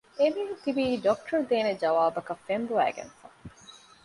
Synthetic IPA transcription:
emient̪ibiːɖɔk̚ʈʰɐɾd̪eːned͡ʒɐʋaːbɐkɐfembuæ̰ːɡḛnfɐ

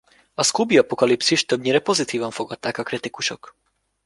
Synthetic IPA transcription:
askubiapokalipsiʃt̪ɔbɲiɾɛpozit̪ivanfoɡatt̪ːakakɾɛt̪ikuʃɔk

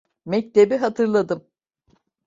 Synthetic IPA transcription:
mɛc̚t̪ʰebiɦat̪ʰɯɾlˠad̪ɯm

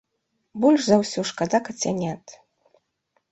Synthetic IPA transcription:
bulʲʂzɐwsʲɔʂkad̪akɐt͡sʲanʲat̪

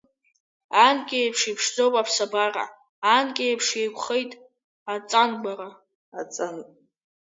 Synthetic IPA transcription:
ankʲʼejpʰʂipʰʂd͡zowpʼapʰsabara̰ | ankʲʼejpʰʂejkʷʰʼχejtʼ | at͡sʼanɡara | at͡sʼanʼ

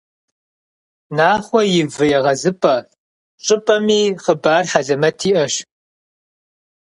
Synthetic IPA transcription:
naːχʷɔjɪvɨjɛʁɐzɨpʼɐ | ɕʼɨpʼɐmiːχəbaːrħaɮɐmɐtʰiːʔɐʃ

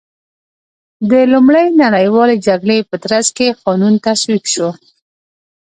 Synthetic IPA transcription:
d̪əlumɽəjnaɽəjwɑled͡ʒaɡɽepət̪ɾazkexɑnunt̪aswibʃo

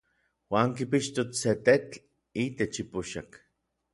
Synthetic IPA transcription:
waːŋkipiʃt̪ot͡sset̪et͡ɬ | it̪et͡ʃipuʃak

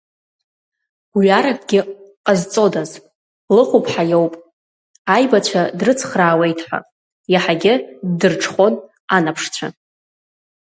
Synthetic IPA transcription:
ɥaɾakʷʼɡʲɪqʼazt͡sʼo̞dazʼ | lɨχupʰʼħajowpʼ | ajbat͡ɕʷʰadrɨt͡sʰχraːwe̞jtʰħʷa̰ | jaħaɡʲɪdɨrʈ͡ʂʰχo̞n | anapʰʂt͡ɕʷʰa̰

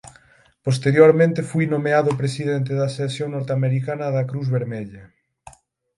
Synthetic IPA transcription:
pos̬t̪eɾjoɾmẽnt̪efujnomeaðʊpɾesiðent̪̬eðɐsesjoŋnoɾt̪eameɾikanɐðɐkɾuzβeɾmeʎɐ

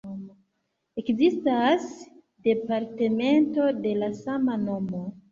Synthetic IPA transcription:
ekzistas | de̞paɾteme̞nto̞de̞lasamano̞mo̞

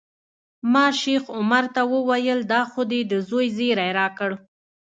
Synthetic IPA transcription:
mɑʃexʊmaɾt̪awəwajəld̪ɑxʊd̪ed̪əzojzeɾajɾɑkəɽ

